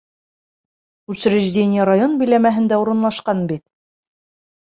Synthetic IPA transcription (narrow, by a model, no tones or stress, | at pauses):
ʉɕɾɘ̆ʒdʲenʲɪjəɾajo̞nbɘ̆jlæmæɦɘ̆nd̪æuɾɤ̆nlˠɑʃqɑnbit̪